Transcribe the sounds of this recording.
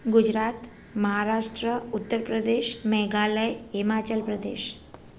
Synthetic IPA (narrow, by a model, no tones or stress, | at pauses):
ɡud͡ʒɾat̪ | məɦaɾaʂʈɾəut̪ːəɾpɾəd̪eʃmɛɦɡaləjimat͡ɕəlpɾəd̪ḛʃ